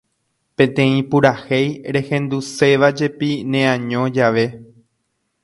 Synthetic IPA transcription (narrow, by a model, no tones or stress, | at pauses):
pẽ̞nt̪ẽ̞ĩpuɾahejɾe̞hẽ̞nd̪use̞ʋad͡ʒe̞pinẽãɲõ̞d͡ʒaʋe̞